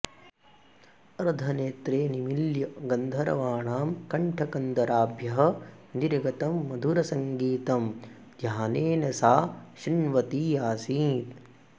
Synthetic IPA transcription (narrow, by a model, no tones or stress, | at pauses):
ɐɾd̪ʱɐneːt̪ɾeːnimiljɐɡɐnd̪ʱɐɾɐ̰ʋaːɳaːmkɐɳʈʰɐkɐnd̪ɐɾaːbʱjɐɦɐ̆niɾɡɐt̪ɐmːɐd̪ʱuɾɐsɐŋɡiːt̪ɐm | d̪ʱjaːneːnɐsaːʃinʋɐt̪ijaːsiːt̪